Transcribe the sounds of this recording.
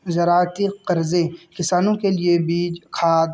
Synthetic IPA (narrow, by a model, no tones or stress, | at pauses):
zɐɾaːɾt̪iqɐɾzekɪsaːnõkeliebiːd͡ʒkʰaːd̪